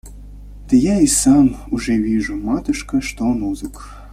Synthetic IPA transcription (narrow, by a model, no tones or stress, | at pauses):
t̪ə̆jɑisɑmuʒɛβiʒumɑt̪ɨʃkə̆ʃt̪onuzək